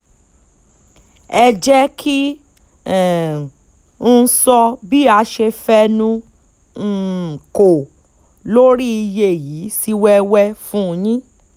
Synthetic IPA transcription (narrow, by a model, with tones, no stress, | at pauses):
ɛ˧d͡ʒɛ˦kʰi˦˨˦ | sɔ˧bi˦a˧ʃe˧fɛ˦nũ˧˨ | ko˨ | lo˦ɾi˦i˧je˦˨ji˨˦si˧wɛ˧wɛ˧fũ˦˧jĩ˦